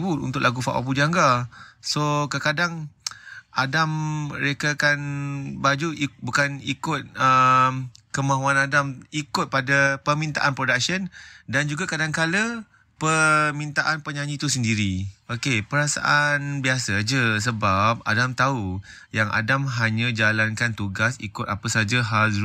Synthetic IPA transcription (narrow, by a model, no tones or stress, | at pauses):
butṵnt̪ʊklaɡufa̰ʔwa̰p̬ud͡ʒaŋɡasokəkadaŋ | adaməɾekakanbad͡ʒuibukanikʊt̪̚əmkəmãɦuanadamikʊt̪̚padapəmĩnt̪a̰ʔanpɾodak̚səndand͡ʒuɡakadaŋkalə | pəmint̪aʔanpəɲaɲĩt̪usəndiɾiokepəɾasa̰ʔanbiasad͡ʒəsəbap̚a̰damt̪aujaŋʔa̰damɦaɲãd͡ʒalankant̪uɡasḭkʊt̪̚apəsad͡ʒaɦal